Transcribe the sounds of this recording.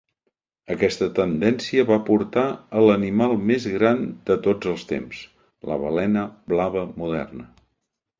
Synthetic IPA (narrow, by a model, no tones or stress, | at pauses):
əkɛst̪ət̪ənd̪ɛnsiəβapuɾt̪aələnimalˠmezɣɾand̪ət̪od͡zəlˠst̪ḛms | lə̰β̞ə̰lɛnəblaβəmuðɛ̰rnə